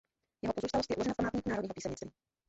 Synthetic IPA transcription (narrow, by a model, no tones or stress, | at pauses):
jɛɦopo̞zuːst̪alost̪jɛʔulo̞ʒɛnafpamaːt̪ɲiːkunaːɾodɲiːopiːsɛmɲɪt͡st̪vi